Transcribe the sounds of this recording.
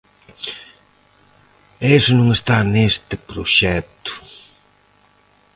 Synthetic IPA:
esʊnũŋest̪anest̪ɪpɾoʃɛt̪ʊ̥

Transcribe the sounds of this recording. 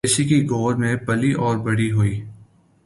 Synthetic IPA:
ɪsikiɡoːɾmẽbɐliʔɔːɾbɐɽiɦoiː

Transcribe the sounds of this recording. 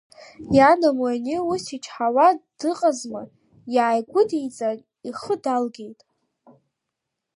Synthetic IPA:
janamanɪusit͡ʃʰʼħawad̥ɨqʼazma | jaːjɡʷʊdejt͡sʼan | iχədalɡʲe̞jtʼ

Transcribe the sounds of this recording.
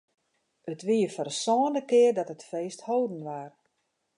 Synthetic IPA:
ətʋiəfərsɔːnəkɪərdɔtətfeːsthoːdən̩ʋar

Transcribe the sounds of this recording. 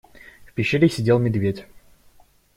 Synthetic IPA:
fpʲɪɕːeɾʲɪsʲɪdʲelˠmʲɪd̪vʲetʲ

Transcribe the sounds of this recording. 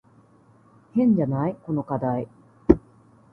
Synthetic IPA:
hẽ̞ɲ̟d͡ʑanaiko̞no̞kad̪ai

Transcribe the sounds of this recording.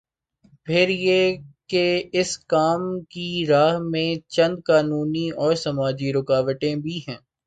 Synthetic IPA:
pʰɪɾjeːkeɪskaːmkiɾaːɦmẽt͡ʃɐ̃nd̪̚kaːnuːniɔːɾsɐmaːd͡ʒiɾʊkaːʋəʈ̪ẽbʱiɦɛ̃ː

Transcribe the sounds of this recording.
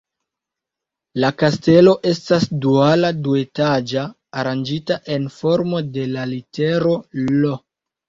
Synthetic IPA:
lakaste̞lo̞ʔe̞stasdualadue̞tad͡ʒaː | ɾand͡ʒitaʔe̞nfo̞ɾmo̞de̞lalite̞ɾo̞lo

